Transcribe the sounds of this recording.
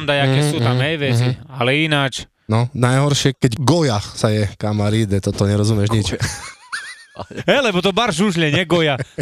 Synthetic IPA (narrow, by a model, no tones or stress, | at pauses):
nd̪ajakɛsuːt̪amɦɛjʋɛt͡sd͡zialɛinaːt͡ʃ | nɔnajɦɔɾʃɪɛkɛɟɡɔjasajɛkamaɾiːd̪ɛt̪ɔt̪ɔɲɛɾɔzumɛʒɲit͡ʃɛ | ɦɛlɛbɔt̪ɔbaɾʒuʒlɛɲɛɡɔja